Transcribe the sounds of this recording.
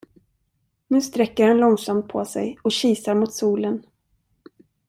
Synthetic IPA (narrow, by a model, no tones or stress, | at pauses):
mɛnst̪ɾɛkːəɾhɛnlɔŋsamt̪̚pʰɔ̰sɛ̰jɔɕiːsaɾmʊt̪suːlən